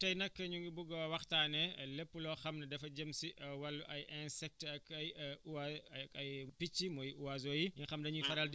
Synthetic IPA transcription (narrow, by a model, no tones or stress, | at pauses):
tɐjnɐkːɐɲuŋɡibuɡɔwɐxtaːnɛlepːulɔxɐmnɐdɛfɐɟɐmsiʔwɐlːuʔɐjɛnsɛk̚tɐkɐj | ɐjpit͡ʃːimɔjuwazoːjijiŋxɐmdɐɲufɐɾɐld